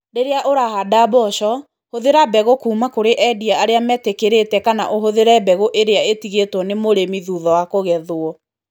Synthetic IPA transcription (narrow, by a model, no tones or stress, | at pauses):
ɾeɾeaʔoɾahadabɔʃɔ | hoðeɾabɛɣokuːmakoɾeʔɛdiaaɾeamɛtekeɾetɛkana̰ʔoɦoðeɾɛbɛɣoʔeɾeaetiɣetwɔnemoɾemiðuːðɔwakoɣɛðwɔ